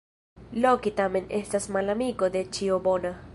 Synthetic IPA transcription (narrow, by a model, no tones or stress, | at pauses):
lokit̪amenest̪asmalamikod̪et͡ʃiobona